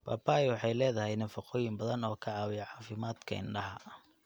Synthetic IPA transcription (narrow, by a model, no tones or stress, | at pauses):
ba̰ːbaːjwɑħɑjlɛːðɐɦɛjnɐfɑqɔːjɪmbɐðɐnɔːkʰɐaːwɪjɐʕɑːfɪmaːd̪kʰɐ̰ɪ̰ɳɖɐɦɐ